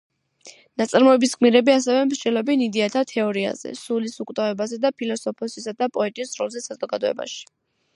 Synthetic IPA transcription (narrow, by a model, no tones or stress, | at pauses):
nat̪sʼaɾmɔɛbisɡʼmiɾɛbiasɛvɛmɾd͡ʒɛlɔbɛnid̪iat̪ʰat̪ʰɛɔɾia̰zɛ̰sulisukʼt̪ʼavɛbazɛd̪apʰilɔsɔpʰɔsisad̪apʼɔɛt̪ʼisɾɔ̰lˠzɛsazɔɡad̪ɔɛ̰ba̰ʃi̥